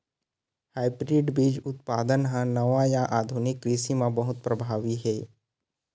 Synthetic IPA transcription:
haːɪbɾɪɖbiːd͡ʒʊt̪̚paːd̪ənɦãnəʋajaʔaːd̪ʱʊnɪkɾisimãbɐɦʊt̪̚pɾɐbʱaːʋiɦɛː

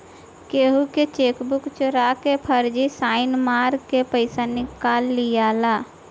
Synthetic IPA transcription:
keːɦuket͡ʃeːkbʊkt͡ʃʊɾakepʰəɾd͡ʒisaːɪnmaːɾkepəɪsanɪkaːlːijaːlaː

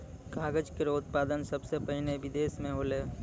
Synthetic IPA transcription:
kaːɡəd͡ʒkeɾoːd̪paːd̪ənsɐbsepɐɦɪneʋɪd̪eːsmẽɦoːleː

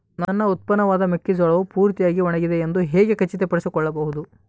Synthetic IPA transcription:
nɐnːɐut̪̚pɐnɐʋaːd̪ɐmekːid͡ʒɔɭɐʋupuːɾt̪ijaːɡiɔɳɐɡid̪eːnd̪uɦɛːɡe̞kɐt͡ʃːit̪epɐɽisikɔɭːɐbɐɦud̪u

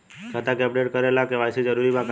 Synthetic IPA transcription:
t͡ʃʰat̪ãkɛbɽeʈ̚kəɾelãkeʋajsid͡ʒəɾuɾimãk

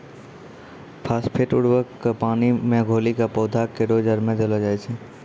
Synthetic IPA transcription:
pʰaːspʰeʈʊɽwəkːpaːnimẽɡʱoːlikapɔːd̪ʱakːeɖod͡ʒəɾmẽd͡ʒəlad͡ʒaːesʰi

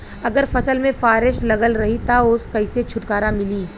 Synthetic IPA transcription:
ɐɡəɾfɐsəlmẽfaːɾɪʃlɐɡəlɾɐɦit̪aʊskɐɪset͡ʃʰʊʈkaːɾamɪliː

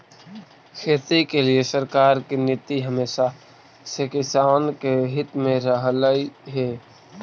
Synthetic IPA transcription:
kʰeːt̪ikeliesəɾkaːɾkinɪt̪ːiɦəmeːsa | sekɪsaːnkeɦɪt̪mẽɾəɦləiɦɛː

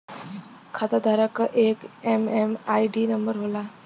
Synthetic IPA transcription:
kʰad̪ad̪ʱaɾəkəʔekememaiɖinəmbəɾɦola

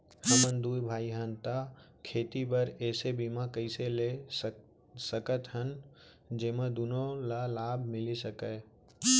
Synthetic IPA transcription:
həmənd̪uːbʱaːiɦənt̪akʰeːt̪ipəɾɛːsebimãkəɪsele | səkət̪ɦən | d͡ʒeːmãd̪ʊnõlalaːbʱmɪlisəkəː

